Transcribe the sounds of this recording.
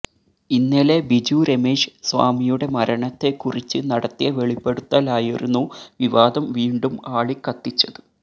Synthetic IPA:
inːɐlebid͡ʑuɾe̞meːʂɨ̥sʋa̰ːmijuɽe̞mɐɾɐɳɐt̪ːe̞kurit͡ɕːɨnɐɽɐt̪ːijɐʋe̞ɭipːe̞ɽut̪ːɐːlaːjiɾunːuʋiʋaːd̪ɐmʋiːɳɖumaːɭikːɐt̪ːit͡ɕːɐðɨ

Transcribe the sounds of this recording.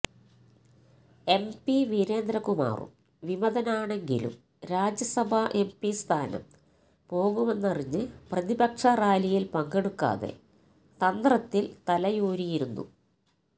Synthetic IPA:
e̞mpiʋiɾe̞ːnd̪ɾɐkuma̰ːrṵm | ʋimɐðɐnaːɳe̞ŋɡḭlṵm | ɾaːd͡ʑjɐsɐbʱɐʔe̞mpist̪ʰaːnɐ̰m | po̞ːɣume̞nːɐriɲːɨprɐðibɐkʂɐraːlijilpɐŋɡeɽukːa̰ːðe̞̰ | t̪ɐnd̪rɐt̪ːilt̪ɐlɐjoːɾijiɾunːṵ

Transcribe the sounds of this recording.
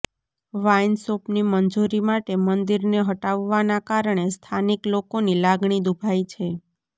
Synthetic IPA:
ʋajnsopnimənd͡ʒuɾimaʈemənd̪iɾneɦəʈaʋːanakaɾəɳ̃est̪ʰaniklokonilaɡɳid̪ubʱajt͡ʃʰe

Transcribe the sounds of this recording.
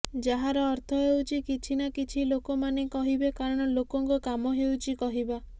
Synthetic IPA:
d͡ʒaɦaɾɔːɾt̪ʰɔɦewt͡ʃʰikit͡ʃʰinakit͡ʃʰilokomanekɔɦibekaɾɔɽ̃ɔlokɔŋkukamɔɦewt͡ʃʰikɔɦiba

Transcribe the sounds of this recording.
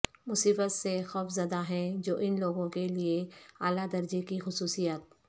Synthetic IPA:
mʊsiːbət̪sexɔːfzɐd̪aɦɛ̃d͡ʒoːʔɪnloːɡõkelieaːlad̪ɐɾd͡ʒekixʊsuːsijət̪̚

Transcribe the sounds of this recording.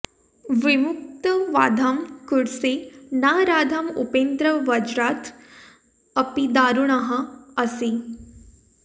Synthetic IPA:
ʋɪmuk̚t̪əʋaːd̪ʱaːmkuɽsenaːɾaːd̪ʱaːmṵpẽːnd̪ɾəʋɐd͡ʒɾaːt̪ | ɐpid̪aːɾuɳ̃ɐɦɐɐsi

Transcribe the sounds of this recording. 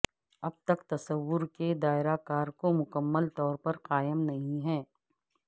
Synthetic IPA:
ɐb̚t̪ɐkt̪ɐsɐwʋːʊɾked̪aːɪɾakaːɾkomʊkəmːəlt̪ɔːɾpɐɾqaːɪmnɐɦĩɦɛ̃ː

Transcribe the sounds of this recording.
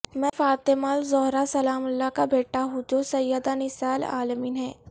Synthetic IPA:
mɛ̃faːt̪emaːlzɔɦɾasɐlaːmʊlːakabeːʈaɦũd͡ʒoːsɐjːəd̪anɪsaːla̰ːləmiːnɦɛː

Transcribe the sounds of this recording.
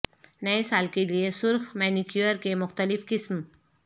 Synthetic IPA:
nɐesaːlkeliesʊɾxmɛːnikjuəɾkemʊxt̪əlɪfkɪsm

